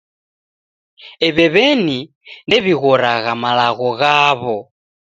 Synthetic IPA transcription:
ɛβɛβɛni | ndɛβiɣɔɾaɣamalaɣɔɣaβɔ

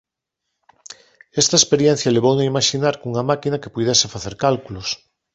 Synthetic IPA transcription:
est̪ɐespeɾjen̟θjaleβownaimaʃinaɾkuŋɐmakinɐke̥puðesefaθeɾkalkulos

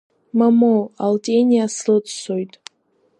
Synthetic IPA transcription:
mamowaltʼenʲiaslɨt͡ssojtʼ

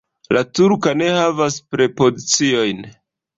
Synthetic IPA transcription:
latuɾkane̞havaspɾe̞po̞zit͡sio̞jn

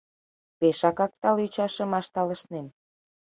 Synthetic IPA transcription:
peʃɑkɑk̚t̪ɑlyt͡ɕɑʃə̆mɑʃt̪ɑlə̆ʃnen

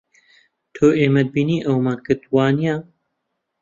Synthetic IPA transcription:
t̪ʰoːʔeːmɐd̪̚biːniːʔɐwmaːnkɨt̪waːnijaː

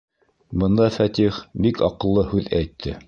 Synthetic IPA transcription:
bɤ̆nd̪ɑfæt̪iχbikɑqɤ̆lˠːɤhʉðæjt̪ʰːɘ

